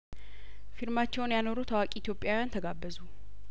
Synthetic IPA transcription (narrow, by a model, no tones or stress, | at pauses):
fiɾmat͡ʃːɛwnjano̞ɾut̪ʰəwakʼiːt̪jo̞pʼjawjant̪ʰəɡabːəzu